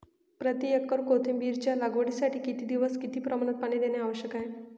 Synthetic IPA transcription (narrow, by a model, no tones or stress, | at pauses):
pɾət̪iekːəɾkot̪ʰimbiːɾt͡ɕjalaɡʋəɽisaʈʰiːkit̪iːd̪iʋəskit̪iːpɾəmaɳ̃ət̪̚paɳid̪eneaʋəɕjəkaɦe